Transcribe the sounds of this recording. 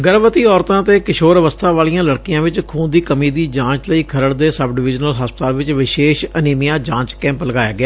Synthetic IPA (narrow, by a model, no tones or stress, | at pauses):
ɡəɾʋət̪iːɔːɾt̪ãːt̪eːkɪʃoːɾəʋəst̪ʰãːʋaːlijãːləɽkɪjãːʋɪt͡ʃkʰuːnd̪iːkəmiːd̪iːd͡ʒãːt͡ʃləiːkʰəɾəɽd̪eːsəbɖɪʋɪd͡ʒnəlɦaːspt̪aːlʋɪt͡ʃʋɪʃeːʃəniːmɪjãːd͡ʒãːt͡ʃkɛ̃ːmpləɡaːjaːɡɪjaː